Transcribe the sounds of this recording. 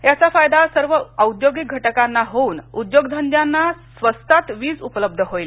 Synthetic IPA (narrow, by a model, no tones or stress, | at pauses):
jat͡safajd̪asəɾʋəəwd̪joɡiɡʱəʈəkanːaɦouːnud̪joɡd̪ʱənd̪janːasʋəst̪at̪ʋiːd͡zupələb̚d̪ʱəɦojl